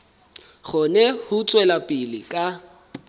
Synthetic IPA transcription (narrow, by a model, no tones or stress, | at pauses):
χʊnɛhʊt͡sʼwɛlapʼɪlɪ̰kʼa